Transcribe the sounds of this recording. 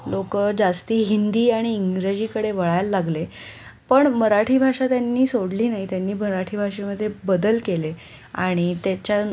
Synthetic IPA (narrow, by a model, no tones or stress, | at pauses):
lokəd͡zast̪iːɦind̪iːaɽ̃iːŋɡɾed͡ʑiːkəɽeʋəɭajlːaɡle | pəɳməɾaʈʰiːbʱaʂat̪janːiːsoɽliːnaɦit̪janːiːməɾaʈʰiːbʱaʂeməd̪ʱːjebəd̪əlkele | a̰ɽ̃it̪jat͡ɕja